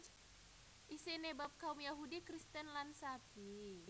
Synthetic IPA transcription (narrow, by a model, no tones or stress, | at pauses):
ʔisinebap̚kaumjaɦudikɾist̪ɛnlansapi